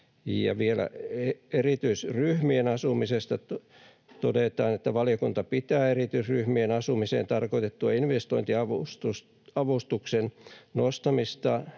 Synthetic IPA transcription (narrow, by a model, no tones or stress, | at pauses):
jɑ̰ʋielæ̰eerit̪yisryhmienɑsumisest̪ɑ | t̪odet̪ɑːnet̪ːæʋɑlijokunt̪ɑpit̪æːerit̪yisryhmienɑsumisḛːnt̪ɑrkoit̪et̪ːuɑinʋest̪oint̪iɑʋust̪us | ɑʋust̪uksennost̪ɑmist̪ɑ